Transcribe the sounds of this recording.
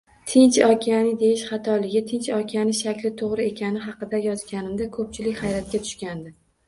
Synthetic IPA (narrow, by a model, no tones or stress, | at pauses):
t̪ʰɪnt͡ʃɒkʲʰanɪd̪e̞jɪʃχɑt̪ʰɒlɪɡʲɪt̪ʰɪnt͡ʃɒkʲʰanɪʃakʲlɪt̪ʰoʁɾɪe̞kʲʰanɪɦɑqɨd̪ajɒzɡʲanɪmd̪akʰɵp̚t͡ʃʰɪlɪkʲhajɾat̪̚kʲat̪ʰʊ̥ʃkʲand̪ɪ